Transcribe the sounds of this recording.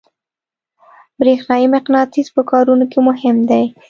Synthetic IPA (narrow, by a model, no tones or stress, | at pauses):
bɾexnɑjimɪqnɑt̪izpəkɑɾunokemʊɦɪmd̪aj